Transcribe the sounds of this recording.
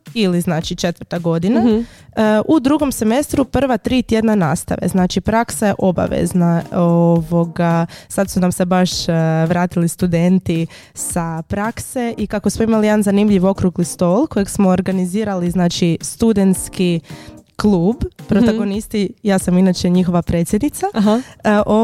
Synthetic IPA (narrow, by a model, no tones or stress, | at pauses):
iliznaːt͡ʃit͡ʃe̞t̪ʋəɾt̪aɡo̞d̪ina | ʔud̪ɾuɡo̞mse̞me̞st̪ɾupr̩ʋat̪ɾiːt̪je̞d̪nanaːst̪a̰ʋe̞̰znaːt͡ʃipɾaksajeʔo̞ba̰ʋḛznaooʋo̞ɡasad̪sunamsebaʃʋɾaːt̪ilist̪ud̪e̞nt̪i | sapɾakse̞ʔikakosmoimalijed̪anzanimʎiʋo̞kɾuɡlist̪o̞ːlˠko̞jeɡsmo̞ːɾɡaniziːɾaliznaːt͡ʃist̪ud̪e̞nt̪skiklˠuːbpɾot̪aɡo̞nist̪ijaːsaminaːt͡ʃe̞ɲixo̞ʋapɾe̞ːt̪sʲjed̪nit̪sa | ʔo